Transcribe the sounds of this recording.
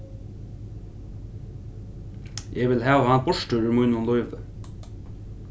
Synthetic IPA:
jʔeːʋɪlhɑːʋhɑːn̚bɔʃʈəʉmuːnʊnlɔʏʋə̰

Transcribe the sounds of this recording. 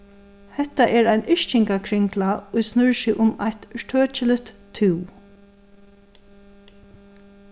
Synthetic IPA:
hɛht̪aʔɛɹajnʔɪʃt͡ʃɪŋkakʰɾɪŋklaʊjsnʏɹʃɪʔʊmajt̪ʃt̪ʰøːt͡ʃɪlɪt̪t̪ʰɪw

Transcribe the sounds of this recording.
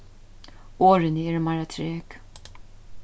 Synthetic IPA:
ɔɾɪniɪɾmɐɾɐt̪ʰɾɛːk

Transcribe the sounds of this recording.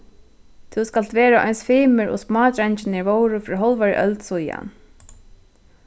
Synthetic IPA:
t̪ʰuskalt̪ʋɛːɾaʔɔ̰jnsfiːmɪɾɔ̰smɑːt̪ɾɛɲt͡ʃɪnɪɹvowɾʊfɾiɦɔlvaɾ̰ʔœ̰lt̪suja̰n

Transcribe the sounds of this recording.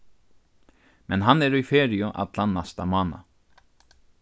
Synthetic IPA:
mɛnɦanːɛɾujfeːɾɪʊʔa̰t̪lanːast̪amaːna̰

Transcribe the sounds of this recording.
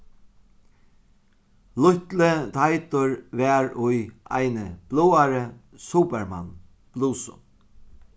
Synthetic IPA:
lʊht̪lət̪ʰajt̪ʊɹvɛɹʊja̰jnəb̥luːaɾə | suːpɛɹma̰nː | b̥luːsʊ̰

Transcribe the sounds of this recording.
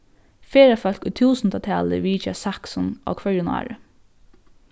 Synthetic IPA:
feːɾafœl̥kuːt̪ʰuːsnt̪at̪ʰɛːlə̰ʋiːt͡ʃasaksɔnɔ̰kʰvœʏʊna̰ːɹə

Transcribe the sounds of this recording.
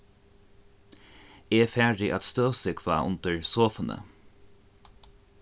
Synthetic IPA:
eːfæːɹɪʔat̪st̪øːsɪkʰva̰ːʔʊ̰nt̪əɹsoːfənə̰

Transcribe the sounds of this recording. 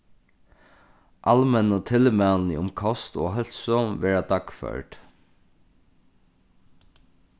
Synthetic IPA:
ʔɑlmɛnɔt̪ʰɪlmælnḭʊmkʰɔst̪o̰ːɦœlsɔmʋɛːɹad̪ɑkfœ̰ɹʈ

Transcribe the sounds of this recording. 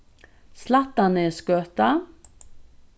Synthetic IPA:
slat̪anəeːskøːt̪a

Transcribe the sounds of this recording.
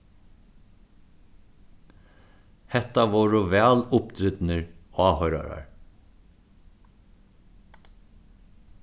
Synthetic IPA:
hɛt̪aʋoːɹəʋæːlʊpd̪ɾʏd̪nəɹɑːhœʏɾa̰ɾa̰ɹ

